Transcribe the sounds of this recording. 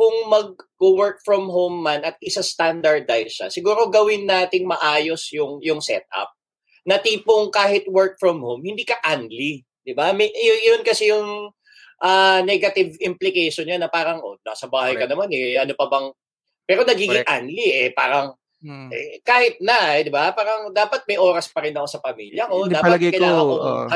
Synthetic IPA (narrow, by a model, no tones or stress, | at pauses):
kʊŋmɐɡ̚kowɛɹk̚fɹɔmɦowmːanɐt̪̚ʔɪsast̪and̪ɐɹd̪ajsʃa̰sɪɡuːɾo̞ɡɐwɪnːaːt̪ɪŋmɐʔaːjo̞sjʊŋjʊŋsɛ̰t̪̚ʔɐ̰p̚ | nɐt̪iːpoŋkaːɦɪt̪̚wɛɹk̚fɹɔmhowmhɪnd̪iːkɐʔand̪li | d̪ɪbamɛjɐonkɐsɛjʊŋ | ʔaːnɛɡɐt̪ɪvɪmplɪkɛjʃonɲanɐpaːɾɐŋʔonaːsɐbaːhɐjkɐnɐmanɛʔɐnopɐbɐŋ | pɛːɾonɐɡiːɡɪŋʔanliʔɛpaːɾɐŋ | ʔɛ̰kaːhɪt̪̚nɐɛd̪ɪbapaːɾɐŋd̪aːpɐt̪̚mɐjʔoːɾɐspɐɾɪnɐkosɐpɐmḭːljɐkod̪aːɐɐtɡɐkɐjlaːŋɐo̰